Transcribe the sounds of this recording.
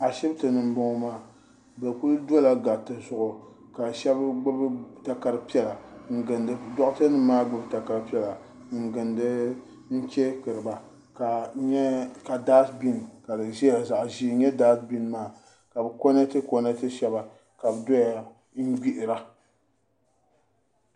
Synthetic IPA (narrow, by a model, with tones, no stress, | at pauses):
a˨ʃɛ˦btɨ˨nɨ˨m̩˨bo˦ŋ˦maː˦˨ | bɛ˨ku˦ldo˦la˨ɡa˨tɨ˨zʊ˨ʔʊ˨ | ka˨ʃɛ˦bɡ͡bɨ˦bta˦ka˨ɾɨ˦pi˦ɛ˦la˨ŋ̩˦ɡɨ˨ndɨ˨dɔ˦ʔtɨ˦nɨ˦maː˦ɡ͡bɨ˦bta˨ka˨ɾpi˦ɛ˦la˨ | ŋ̩˨ɡɨ˨ndɨ˦ | ŋ̩˦t͡ʃe˦kɨ˨ɾɨ˨ba˨ | ka˨ɲ˦ka˨daː˦sbi˦n˨ka˨dɨ˨ʒɛ˦a˨za˨ʔʒiː˦ɲɛ˦daː˦sbi˦n˦maː˦˨ | ka˨bɨ˨ko˦na˦tɨ˦ko˦na˦tɨ˦ʃɛ˦ba˨ | ka˨bɨ˨dɔ˦ja˨ | ŋ̩˦ɡ͡bi˦ʔɪ˨ɾa˦